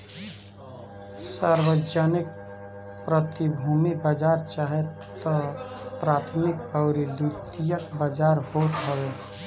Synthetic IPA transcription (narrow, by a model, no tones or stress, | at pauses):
səɾwəd͡ʒanɪk̚ | pɾət̪ibʱuːmibad͡ʒaːɾt͡ʃaːɦett̪ɔpɾaːt̪ʰmɪkɔʊɾid̪ut̪ijəkbad͡ʒaːɾhoːt̪ɦəwe